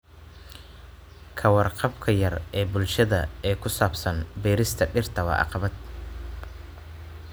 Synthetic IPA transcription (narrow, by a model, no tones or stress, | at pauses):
kʰɐwɑrqɑbkʰɐjɐrɛːbʊlʃɐðɐ̰ɛːkʰʊsaːbsɐnbɛːɾɪst̪ʰɐɖɪrt̪ʰɐwɐ̰ʔɑ̰qɑβɐd̪